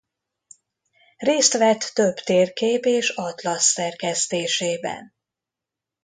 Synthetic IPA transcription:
reːst̪ʋɛt̪ːø̞bt̪eːrkeːpeːʃɒt̪lɒsːɛrkɛst̪eːʃeːbɛ̰n

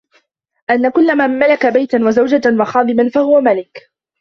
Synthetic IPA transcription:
ʔanːakʊlːamamalakabajt̪anwazawd͡ʒawɑxɑːðˤɨmanfahʊwamalɪk

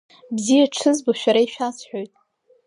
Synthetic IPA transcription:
bzijaʈ͡ʂʰɨzboʃᶣaɾaiʃᶣasʰħʷᶣo̞jtʼ

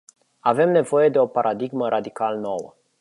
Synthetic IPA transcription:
ave̞mne̞vo̞je̞d̪e̞o̞paɾʔad̪iɡməɾʔad̪ikalno̞wə̰

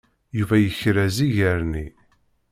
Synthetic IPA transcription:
juvæjəçɾæziʝəɾni

